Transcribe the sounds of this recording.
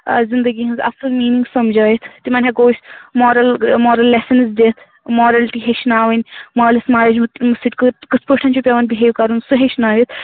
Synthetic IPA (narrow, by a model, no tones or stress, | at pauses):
zind̪əɡiɦɐ̃nzɐ̰sɐlmiːniŋɡsɐmd͡ʒaːit̪ʰt̪imɐnʲɦʲeɡoːsʲmɔːɾɐlmɔːɾɐlːesɐnzd̪et̪ʰ | mɔːɾɐlʈiɦeʃnaːʋɐnʲmɔɾɐlismaːled͡ʒmt̪mɨsit̪ʲkɨkɨt͡sʰpəʂʈʰant͡ʃoːpʲeʋanbiɦeʋkɐɾunsuɦeʃnaːʋit̪ʰ